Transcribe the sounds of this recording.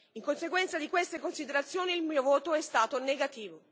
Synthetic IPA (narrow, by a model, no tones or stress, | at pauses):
iŋkonseɡwɛnt̪sad̪ikwest̪ekonsid̪eɾat̪sːjoːniːlmiːovoːt̪oɛst̪aːt̪oneɡat̪iːvo